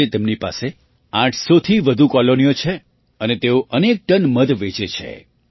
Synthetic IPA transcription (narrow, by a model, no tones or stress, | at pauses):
et̪emnipa̰se | ãʈʰsot̪ʰiʋəd̪ʱukɔlonijot͡ʃʰe | ənet̪eoʔənek̚ʈənməd̪ʋet͡ʃet͡ʃʰḛ